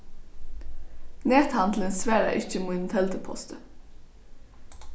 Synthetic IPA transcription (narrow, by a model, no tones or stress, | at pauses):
neːt̪hɑnd̪lənsʋæːɾæ̰ʔɪc͡çəmuːt̪n̩t̪ʰɛlt̪ʰəpʰɔ̰st̪ʰə